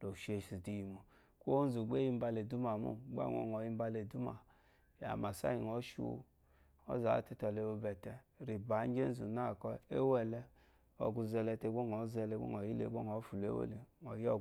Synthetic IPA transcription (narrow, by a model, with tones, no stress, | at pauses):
lo˨ʃe˨si˨di˨ji˨mu˨ | ko˦n˦zu˨ɡ͡be˦ji˧m̩˦ba˧le˨du˦ma˨mṵ˦˨ɡ͡ba̰˦ŋɔ̰˨ŋɔ˨ji˧˦m̩˦ba˧le˨du˦ma˨ | ja̰˨ma˨sa̰˦i˨ŋɔ˨˦ʃṵ˦˧˦ | ɔ̰˦za̰˨˦˨te˦tɔ˨le˧o˧bɛ˨tɛ˧ | ɾi˨ba˨˦d͡ʒe˦n̩˦zu˨na˦˨kɔ˧e˦wɛ˦lɛ˧ | ɔ̰˨ɡu˧zɛ˧lɛ˧te˧˦ɡ͡bo˦ŋ˨ɔ˨˦zɛ˧le˧˦o̰˦ŋ˨ɔ˨ji˦lḛ˨˦ɡ͡bo˦ŋ˨ɔ˨˦fu˨lḛ˦o̰˦le˨ŋɔ˨jɔ˦˨